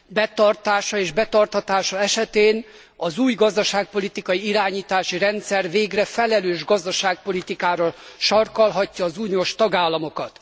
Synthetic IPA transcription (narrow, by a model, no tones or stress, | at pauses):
bɛt̪ɒrt̪aːʃɒeːʒbɛt̪ɒrt̪hɒt̪aːʃɒɛʃɛt̪eːn | ɒzuːjɡɒzd̪ɒʃaːk̚po̞lit̪ikɒjiiɾaːɲiːt̪aːʃiɾɛnt̪sɛrveːɡrɛfɛlɛløːʒɡɒzd̪ɒʃaːk̚po̞lit̪ikaːɾɒʃɒrkɒlɦɒcːɒːzuːnioːʃt̪ɒɡaːlːɒmo̞kɒt̪